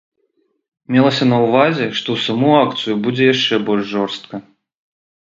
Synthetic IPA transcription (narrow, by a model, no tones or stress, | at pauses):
mʲɛlˠɐsʲɐnɐwvazʲɛʂt̪ɔwsamuakt̪sɨjubud͡zʲɛjaʂt͡ʂɛbɔlʲʂʐɔrst̪̚kɐ